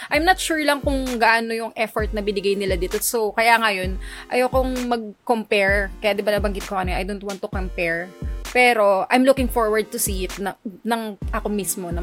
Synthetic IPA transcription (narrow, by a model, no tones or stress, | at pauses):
ʔajmnɐt̪ʃuɹlɐŋkʊŋɡɐʔanojʊŋʔɛfoɹt̪̚nɐbɪnɪɡajnɪlad̪iːt̪o̞sowkɐjaŋɐjo̞nʔɐjowkoŋmɐɡ̚kompɛɹkɐjad̪ɪbanɐbɐŋɡɪt̪̚kokɐnɛʔɐ̰jd̪ont̪want̪ːʊkompɛɹpɛɾo̞ʔajmlukɪŋfoɹwɐɹd̪̚t̪ʊsiːʔɪt̪nɐnɐŋʔɐko̞mismo̞nɐ